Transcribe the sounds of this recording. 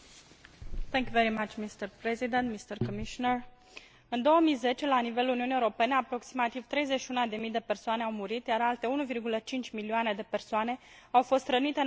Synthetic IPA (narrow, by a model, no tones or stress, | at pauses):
θɛ̃ŋkjuveɾimat͡ʃmist̪ərpɾezid̪ent̪mist̪ərkomiʃonər | ɨnd̪o̞wəmijze̞t͡ʃe̞lanive̞luniuniewoɾo̞pe̞neapɾo̞ksimat̪iv̥t̪ɾe̞jzeʃiunad̪e̞mijd̪e̞pe̞rsoane̞awmuɾit̪jaɾalt̪e̞unuvirɡulət͡ʃint͡ʃʲmilioane̞d̪e̞pe̞rsoane̞awfo̞st̪rənit̪e